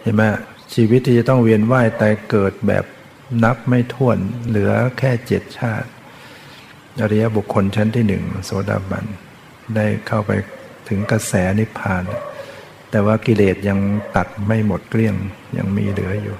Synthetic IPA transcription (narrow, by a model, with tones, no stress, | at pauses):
t͡ɕʰa˧˩ma˦˥˩ | t͡ɕʰiː˧wi˦˥t̪̚ʰːiː˥˩t͡ɕa˨˩t̪ɔ˥˩ŋwi˧ənwaː˥˩jt̪ɛː˨˩kɤː˨˩t̪̚bɛ̰ː˨˩p̚ | na˦˥p̚ma˥˩jt̪ʰu˥˩ənlɯ˩˦ɐkʰɛː˥˩t͡ɕe˨˩t̪̚t͡ɕʰaː˥˩t̪̚ | ʔa˧ɾa˧ja˦˥bu˨˩kʰːo˧nt͡ɕʰa˦˥nt̪ʰiː˥˩nɯ̰˨˩ŋso˨˩˦da̰ː˧˩ba̰˧˩n | daː˥˩jkʰa˥˩wpa̰˧j | t̪ʰɯ˩˦ŋka˧sɛː˩˦ni˦˥pʰːaː˧na˧˩ | t̪ɛː˨˩waː˥˩ki˧leː˨˩t̪̚ja˧ŋt̪a˨˩t̪̚ma˥˩jmo˨˩t̪̚kli˥˩əŋja̰˧ŋmḭː˧lɯ˩˦ɐjuː˨˩